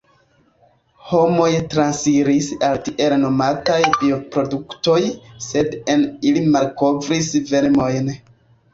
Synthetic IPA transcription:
ho̞mo̞jtɾansiɾisaltiʔe̞ɾeno̞matajbio̞pɾo̞dukto̞jse̞denilimalko̞vɾisve̞ɾmo̞jn

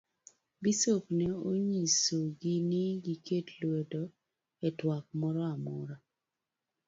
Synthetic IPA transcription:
bisopnɛoɲisoɡɪnɪɡikʰetlwedɔ | ɛtwak̚mɔɾɔamɔɾa

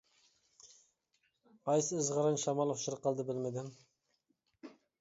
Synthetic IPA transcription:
ɑjsɨːzʁəɾɑnʃɑmɑlˠχʃɪɾəqʰːəlˠd̪ɨbɪlmɪd̪ɪm

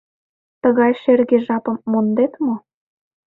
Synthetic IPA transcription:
t̪əɣɑjʃerɣeʒɑpə̆mːond̪et̪mo

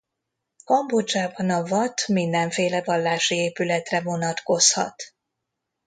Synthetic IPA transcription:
kɒmbod͡ʒaːbɒnɒvɒt̪mind̪ɛɱfeːlɛvɒlːaːʃieːpylɛt̪rɛvo̞nɒt̪ko̞shɒ̰t̪

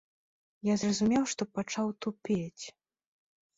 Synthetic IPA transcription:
jazrɐzumʲɛwʂt̪ɔpat͡ʂawt̪upʲet͡sʲ

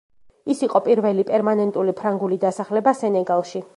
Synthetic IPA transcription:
isiqʼɔpʼiɾvɛlipʼɛɾmanɛnt̪ʼulipʰɾaŋɡulid̪asaχlɛbasɛnɛɡalˠʃi

